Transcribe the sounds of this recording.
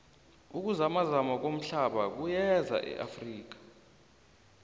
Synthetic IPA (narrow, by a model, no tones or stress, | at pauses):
uk̬ʼuzamazamak̬om̩ɬaɓak̬ujɛza̰ʔɛ̰ʔa̰friːk̬ḁ